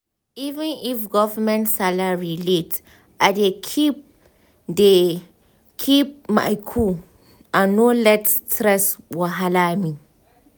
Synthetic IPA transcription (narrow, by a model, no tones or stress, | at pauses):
ivɛ̃nifɡɔvəmɛ̃ntsalaɹilet | ʔadekʰip̚ | de | kʰip̚ma̰jkʰu | ãnːolɛttɾɛswɔɦalami